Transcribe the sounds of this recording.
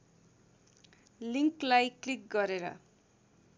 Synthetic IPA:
liŋklajklik̚ɡʌɾeɾʌ̰

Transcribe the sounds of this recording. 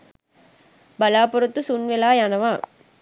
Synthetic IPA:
bɐlaːpɔɾɯt̪ːɯsunʋɛlaːjaːnɐʋãː

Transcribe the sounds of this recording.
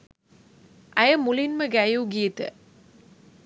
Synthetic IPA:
ʔæjəmulinməɡæjuɡiət̪ə̰

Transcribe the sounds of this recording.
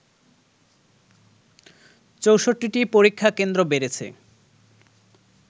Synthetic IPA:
t͡ɕowʃoʈːiʈipoɾikʰːakend̪ɾobeɾet͡ɕʰḛ

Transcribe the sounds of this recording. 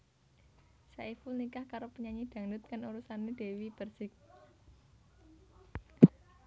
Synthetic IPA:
saʔifulnikahkaɾopəɲaɲid̪̥ä̤ŋndʊt̪̚kanuɾusaned̥e̤wib̥ərsɪk̚

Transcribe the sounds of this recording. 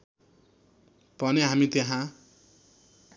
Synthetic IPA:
pʌneɦamit̪eɦã

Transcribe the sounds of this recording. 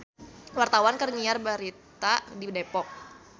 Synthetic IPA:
wart̪awankərŋiarbaɾit̪adidepɔk̚

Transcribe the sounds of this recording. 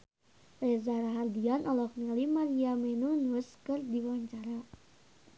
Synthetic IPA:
lɛzaɾaɦardianʔɔlɔknilimaɾiamɛnunuskɨrdiwaɲt͡ʃaɾa

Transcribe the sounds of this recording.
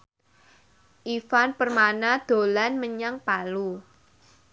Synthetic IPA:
ʔifanpərmanad̪̥o̤lanməɲaŋpalu

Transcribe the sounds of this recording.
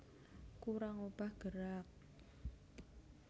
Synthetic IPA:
kuɾaŋob̥ahɡ̥əɾak̚

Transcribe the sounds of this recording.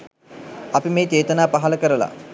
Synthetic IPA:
ɐpimeːt͡ʃeːt̪ənaːpaɦaləkəɾəla̰

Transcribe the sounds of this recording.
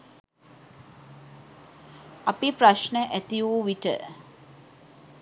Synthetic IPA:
apipɾaʃnəʔæt̪iuːʋiʈə̰

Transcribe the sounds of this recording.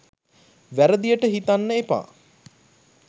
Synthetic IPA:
ʋæɾəd̪ijəʈəɦit̪anːəepa̰ː

